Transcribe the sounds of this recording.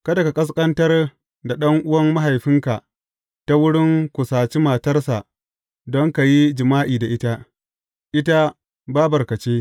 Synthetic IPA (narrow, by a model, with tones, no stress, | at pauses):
kɐ˦da˨ka˨kʼɐ˦s̬kʼɐ˦ntɐ˦r | da˨ɗɐ˦ŋʔʊ˦wɐ˦mːa˦ɦa˨jɸɪ˦ŋka˨ʔ | ta˦wʊ˦ɽɪ˦ŋkʷʊ˨saː˨t͡ʃi˦maː˨tɐ˦rsa˨ʔ | dɔ˦ŋka˨ji˦d͡ʒɪ˨maː˦ʔiː˨da˨ʔɪ˦ta˦ | ʔɪ˦ta˦ | ba˦bɐ˨rkɐ˨t͡ʃeː˦